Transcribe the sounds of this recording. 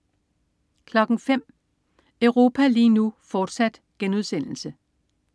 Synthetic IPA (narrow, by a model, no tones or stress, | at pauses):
kʰlɒ̽ɡ̥ŋ̩fem̰ | œʊʁo̝ːpʰæliːnufɒːd̥sæd̥ | ɡ̥enuðˠsen̰l̩sə